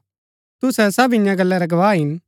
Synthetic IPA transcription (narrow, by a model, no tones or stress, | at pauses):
t̪ʊsɛsɐbɪ̃jãɡɐlːɛɾaɡɐʋaːɦɪn